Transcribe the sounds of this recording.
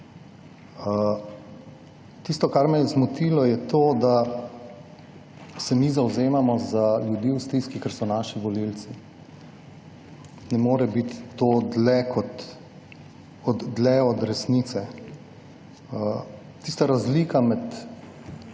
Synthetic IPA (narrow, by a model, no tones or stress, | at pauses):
t̪ist̪ɔkaɾmɛjɛzmut̪ilɔjɛt̪oːd̪a | sɛmizawzeːmamɔzaljud̪iːust̪ɾiːskikɛɾsɔnaʃiʋɔlilt̪si | nɛmoːɾɛbit̪ːoːd̪lɛkʰɔt̪ | ɔd̪ːlɛɔd̪ɾɛsnit̪sɛ | t̪ist̪aɾazliːkamɛt̪